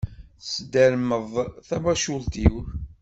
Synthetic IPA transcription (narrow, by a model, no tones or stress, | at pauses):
sd̪æɾməðˤθæbæʃʊlt̪iw